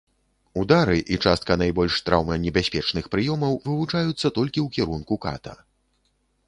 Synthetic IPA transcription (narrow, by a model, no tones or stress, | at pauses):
ud̪aɾɨʔit͡ʂast̪kɐnajbɔlʲʂt̪ɾʔawmɐnʲɛbʲasʲpʲɛt͡ʂnɨxpɾɨjɔmɐwvɨvut͡ʂajut̪sːɐt̪ɔlʲkʲiwkʲɛɾunkuka̰t̪ɐ̰